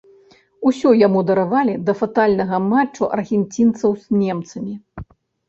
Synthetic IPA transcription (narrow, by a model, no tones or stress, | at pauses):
usʲɔjamud̪ɐɾavalʲid̪ɐfat̪alʲnɐɣɐmat͡ʂːuʔɐ̰rɣʲɛnʲt͡sʲint̪sɐwzʲnʲɛmt̪sɐmʲi